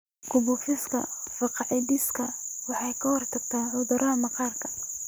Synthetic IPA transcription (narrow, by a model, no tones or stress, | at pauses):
kʰʊbʊfɪskʰɐ̰fɑqɑʕɪd̪iskʰɐwɑħɑjkʰɐhɔrt̪ʰɐɡt̪ʰaːʕʊðɐɾʔɐɦɐmɑqɑːrkʰɐ̥